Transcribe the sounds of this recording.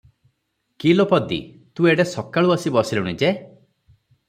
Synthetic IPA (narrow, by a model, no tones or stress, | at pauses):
kilopɔd̪ḭ | t̪ueɽesɔkaɭuasibɔsiluñid͡ʒe